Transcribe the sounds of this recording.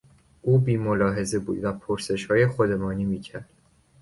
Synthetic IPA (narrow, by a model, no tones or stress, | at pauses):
ʔuːbiːmolɒːɦe̞zebuːd̪væpʰoɾse̞ʃhɒːjexod̪emɒːniːmiːcʰæɾd̪̥